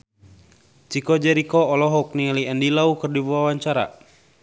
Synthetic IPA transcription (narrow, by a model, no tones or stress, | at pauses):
t͡ʃikɔd͡ʒɛɾikɔːlɔɦɔk̚nialiɛndilaukɨrdibuwawaɲt͡ʃaɾa̰